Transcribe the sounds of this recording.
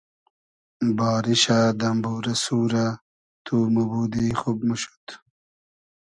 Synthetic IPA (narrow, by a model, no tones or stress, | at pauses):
bɑːɾiɕad̪ɐmbuːɾɐsuːɾa | t̪ʰumubuːd̪ixubmuɕu̥t̪